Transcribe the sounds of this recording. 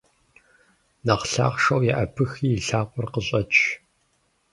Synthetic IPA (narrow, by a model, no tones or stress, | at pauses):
nɐqɬa̰ːχʂɐwjɛʔɐpʰɨxiːjːɬaːqʷʼʊrqəɕʼɐt͡ʃʰʼ